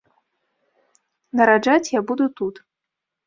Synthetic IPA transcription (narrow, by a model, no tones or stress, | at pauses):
nɐɾad͡ʐat͡sʲjabud̪ut̪ut̪